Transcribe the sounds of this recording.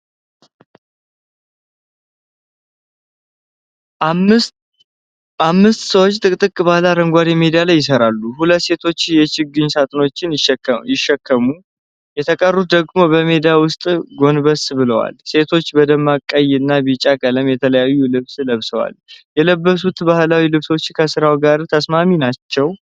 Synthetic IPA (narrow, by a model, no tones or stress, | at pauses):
ʔamːɨst̪səwot͡ʃːt̪ʼɨkʼt̪ʼɨkʼbalaɾəŋɡʷad̪jɛmed̪ijalajːɪsəɾalːuhulət̪ːse̞t̪ʰo̞t͡ʃːjɛt͡ʃɪɡːɨɲsat̪ʼno̞t͡ʃːɪnjjɪʃːɛkʰːəmu | jɛt̪ʰəkʼərːut̪̚d̪əɡmo̞bəmed̪ijawʊst̪ʼɡo̞nbəsbɨləwa̰lse̞t̪ʰo̞t͡ʃːbəd̪əmːakʼːəjnːabit͡ʃʼakʼələmjɛt̪ʰələjajːulɨβsləβsəwa̰ljɛləbːəs̬ut̪bahlawilɨβso̞t͡ʃːkʰəsɨɾawɡaɾt̪ʰəsmaminat͡ʃːɛw